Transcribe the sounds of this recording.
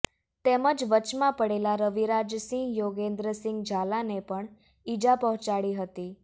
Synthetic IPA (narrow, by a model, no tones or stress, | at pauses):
t̪eməd͡ʒʋət͡ʃmãpəɽelaɾəʋiɾad͡ʒsĩŋɡjoɡẽnd̪ɾəsɪ̃ŋɡd͡ʒʱalanepəɳ | id͡ʒapɔɦɔ̃t͡ʃaɽiɦət̪i